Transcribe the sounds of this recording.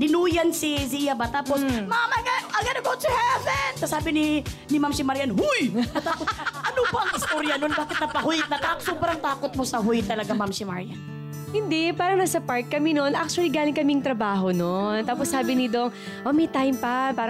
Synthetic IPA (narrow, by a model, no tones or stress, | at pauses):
d̪ɪnuːjɐnsizijɐbɐt̪aːposmamɐɡaʔɐɡɐnɐɡot̪ʊhɛvɛnsɐsaːbɪnɪnɪmamsɪmɐɾjanhujɐt̪aːposʔɐnobɐɐŋɪst̪oɾjɐnonbaːkɪt̪nɐpɐhujɪt̪̚nɐt̪aːksoːbɾɐŋt̪aːkot̪̚mosɐɦujt̪ːɐlɐɡamamsɪmɐɹjan | hɪnd̪ɛpaːɾɐŋnasɐpaɹt̪̚kːɐminonʔak̚t͡ʃʊɐliɡaːlɪŋkɐmiŋt̪ɾɐbaːɦo̞nont̪aːposːaːbɪnɪd̪oŋ | ʔomɛjt̪ajmpɐpaːɾ